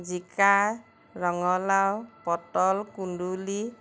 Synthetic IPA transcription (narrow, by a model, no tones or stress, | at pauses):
d͡ʒika | ɾɔŋɔlawpɔtɔlkuɳɖuli